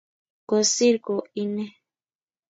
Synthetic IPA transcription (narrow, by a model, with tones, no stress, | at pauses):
ko˨si˦ɾko˨i˦ne˦